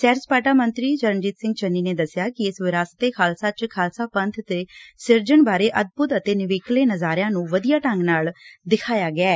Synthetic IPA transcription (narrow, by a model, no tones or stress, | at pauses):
sɛːɾspaːʈaːmənt̪ɾiːd͡ʒəɾənd͡ʒit̪sɪ̃ŋɡ̚t͡ʃənːiːneːd̪əsjaːkɪɪsʋɪɾaːsə̥t̪eːkʰaːlsaːt͡ʃkʰaːlsaːpə̃nt̪ʰt̪eːsɪɾd͡ʒəɳbaːɾeːʔəd̪̚bʊt̪ət̪eːnɪʋeːkleːnəzaːɾjãːnũːʋəd̪ijaːʈə̃ŋɡnaːld̪ɪkʰaːjaːɡɪɛː